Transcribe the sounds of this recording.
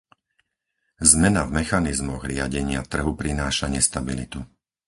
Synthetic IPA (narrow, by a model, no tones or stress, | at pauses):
zmɛnavmɛxanizmɔɣɾɪaɟɛɲɪa̰t̪r̩ɦupɾinaːʃaɲɛst̪abilḭt̪u